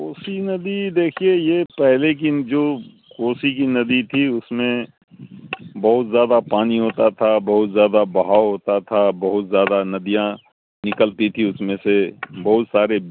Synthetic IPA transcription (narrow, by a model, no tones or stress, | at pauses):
koːsinɐd̪id̪eːkʰiejepɛɦlek̬id͡ʒoː | koːsikinɐd̪it̪ʰiʊsmẽ | bɐɦʊt̪zjaːd̪apaːniɦoːt̪at̪ʰabɐɦʊt̪zjaːd̪abɐɦaːoɦoːt̪at̪ʰabɐɦʊt̪zjaːd̪anɐd̪ijã | nɪkəlt̪it̪ʰiʊsmẽsebɐɦʊt̪saːɾe